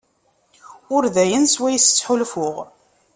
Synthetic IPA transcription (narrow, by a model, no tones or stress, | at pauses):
ʊɾðæjənswæjəst͡sːħʊlfʊʁ